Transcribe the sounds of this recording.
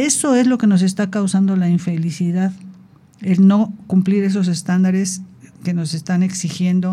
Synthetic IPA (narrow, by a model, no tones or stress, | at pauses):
e̞so̞e̞zlo̞ke̞no̞s̬e̞st̪akawsand̪o̞laiɱfe̞lisiðað | e̞lno̞kumpliɾe̞s̬o̞s̬e̞st̪and̪aɾe̞ske̞no̞se̞st̪ane̞ksixje̞nd̪o̞